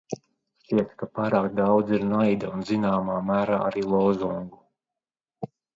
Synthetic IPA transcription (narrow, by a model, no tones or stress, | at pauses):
ʃiɛt̪kapaːɾaːkd̪awd̪ziɾnajd̪aunzinaːmaːmæːɾaːʔaɾiːlˠɔwzuŋɡu